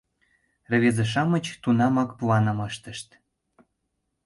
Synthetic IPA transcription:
rə̆βezeʃ̬ɑmət͡ɕt̪unɑmɑkpuɑnə̆mɤʃt̪ə̆ʃt̪

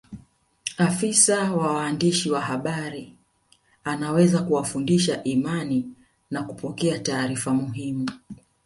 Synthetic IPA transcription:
afisawawaːndiʃiwaɦaɓaɾi | anawɛzakuwafundiʃaʔimani | nakupɔkɛataːɾifamuɦimu

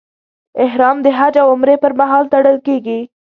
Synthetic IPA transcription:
ɪɦɾɑmd̪əɦad͡ʒawʊmɾepəɾmaɦɑlt̪aɽəlkeɡi

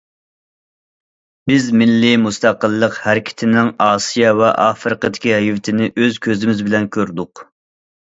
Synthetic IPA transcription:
bɪzmɪlːɪmust̪ʰɑqəlˠːəqhæɾɪkʲʰɪ̥t̪ʰɪnɪŋɑːsijɑvɛ̰ʔɑːfɾəqəd̪ɪkʲiɦivɪt̪ʰɪnɪʔøzkʲʰøzɪmɪzbɪlɛnkʲʰøɾd̪ʊq

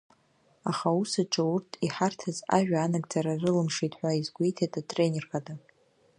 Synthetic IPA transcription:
aχausaʈ͡ʂʼaurtʰiħartʰaza̰ʒᶣaːnaɡʼt͡sʼaɾarɨlɨmʂitʼħʷaizɡʷijtʰatʼatʼre̞nʲerχadʼa

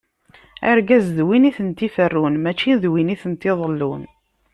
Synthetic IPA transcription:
ə̰ɾɡæzðwiniθənt̪ːifərːunmæt͡ʃːiðwiniθənt̪ːɪðˤəlːun

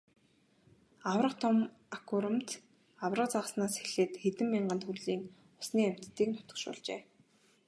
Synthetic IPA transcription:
awrə̆qt̪ʰɔm | akʰuɾə̆mt̪ | awrə̆q̚t͡saʁə̆snaːseɮeːt̪xet̪ɘ̆mːiɴɢə̆nt̪xuɮiːŋ | ʊsniːæm̥ʲt̪ːiːk̚nʰʊ̥t̪ə̥̆kʃʊ̰ːɮt͡ɕḛː

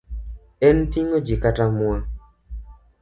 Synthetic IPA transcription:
ɛntiŋod͡ʒikatamwa

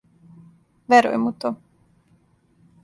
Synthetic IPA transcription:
vɛɾo̰jmut̪o

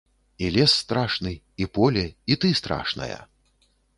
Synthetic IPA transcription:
ilʲɛsːt̪ɾaʂnɨ | ipɔlʲɛit̪ɨst̪ɾa̰ʂnɐ̰jɐ̰

